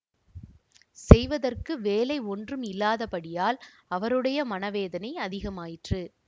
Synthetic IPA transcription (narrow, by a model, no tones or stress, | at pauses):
sɛjʋɐðɐrkɯʋeːlɐɪɔndrɯmɪlːaːðɐpɐɽɪjaːl | ɐʋɐɾɯɽɐjɐmɐnɐʋeːðɐnɐɪɐðɪɣɐmaːjɪʈrɯ